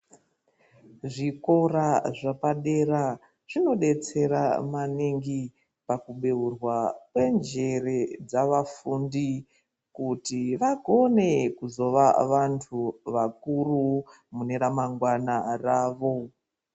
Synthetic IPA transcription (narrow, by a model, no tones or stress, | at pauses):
ʐiko̞raʐapaɗe̞ɾa | ʐ̥ino̞ɗe̞t͡se̞ɾa̰maniŋɡi | pakuɓe̞urwakwe̞nd͡ʒe̞re̞d͡zaʋafundi | kutiʋaɡʱo̞ne̞kuzo̞ʋaʋantʰuʋakuru | mune̞ɾamaŋɡwanaraːʋo̞